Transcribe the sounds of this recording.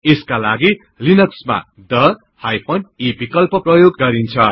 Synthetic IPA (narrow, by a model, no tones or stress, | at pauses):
eskalaɡi | linʌksma̰ | d̪ʌ | hajpʰʌnibikʌlpʌprʌjoɡːʌɾint͡sʰʌ